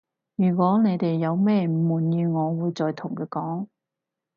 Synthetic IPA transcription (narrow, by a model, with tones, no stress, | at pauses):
jyː˨˩kʷwɔː˨˥ne˨˧jt̪e˨jːɐ˨˧wmɛː˥˨muː˨˩njyː˧ŋɔː˨˧wuː˨˧jt͡ʃɔː˨˧jt̪ʰʊ˨˩ŋkɛː˧kɔː˨˥ŋ